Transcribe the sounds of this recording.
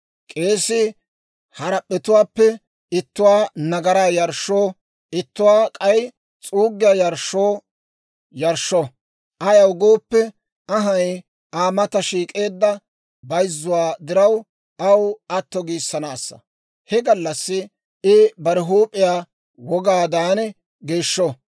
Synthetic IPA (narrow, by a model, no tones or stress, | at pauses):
kʼe̞ːsɪ | hɐɾɐpʼːɛt̪ʊwaːpːɛ | ɪt̪ːʊwaːnɐɡɐɾaːjɐɾʃːoː | ɪt̪ːʊwaːkʼɐj | t͡sʼuːɡːɪjaːjɐɾʃːoː | jɐɾʃɔ | ʔɐjɐwɡo̞ːpːɛ | ɐɦɐj | aːmɐt̪ɐʃiːkʼe̞ːd̪ːɐ | bɐjzːʊwaːd̪ɪɾɐw | ɐwɐt̪ːɔɡiːsːɐnaːsːɐ̥̰ | hɛɡɐlːɐsːɪ | ɪbɐɾɪɦuːpʼːɪjaː | wɔɡaːd̪aːn | ɡeːʃːɔ